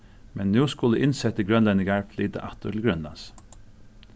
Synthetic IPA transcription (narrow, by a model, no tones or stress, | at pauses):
mʔɛnːʉːskʊləʔɪnsɛt̪əɡɾœnlɛnɪɡɑɹfʰliːd̪ə̰ʔɑt̪əʈʰɪl̩ɡɾœnlɑ̰ns